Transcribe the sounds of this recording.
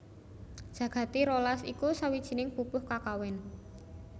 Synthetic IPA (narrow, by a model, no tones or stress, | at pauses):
dʒ̥ä̤ɡ̥ä̤t̪iɾolasikusawid̥ʒ̥i̤nɪŋpupʊhkakawɪn